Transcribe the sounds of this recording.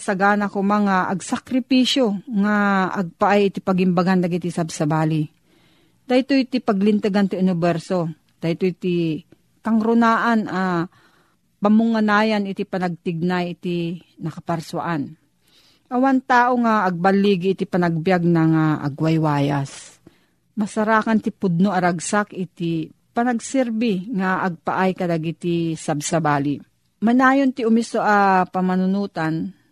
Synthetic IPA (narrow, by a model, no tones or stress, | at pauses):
sɐɡaːnakomaŋaʔɐɡsakɾɪpiʃjoŋaʔɐɡ̚paʔajʔɪt̪ipɐɡɪmbaɡand̪ɐɡɪt̪isabsɐbaːli | d̪̥ajt̪ojt̪ipɐɡlɪnt̪ɨɡant̪ɪʊnɪbɛɾso | d̪̥ajt̪ojt̪i | kɐŋɾʊnaːʔanʔa | pɐmʊŋːɐnaːjanɪt̪ipɐnɐɡ̚t̪ɪɡ̚najɪt̪inɐkɐpɐɾswa̰ʔan | ʔɐwant̪aːʔoŋaʔɐɡ̚balːiɡɪːt̪ɪpanaɡ̚bjaɡ̚naŋaʔa̰ɡwajwaːjas | mɐsaɾaːkant̪ɪpʊd̪̚noʔɐɾaɡsakʔɪt̪ɪ | panɐɡsɛɾbɪŋaʔːɡ̚pa̰ʔajkɐlaɡit̪isabsabaːli | manaːjont̪ɪʊmɪsoʔapɐmanʊnuːt̪an